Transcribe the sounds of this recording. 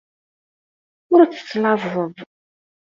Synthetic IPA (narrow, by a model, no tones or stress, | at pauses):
ʊɾæt͡sːə̥sːlɑðˤəðˤ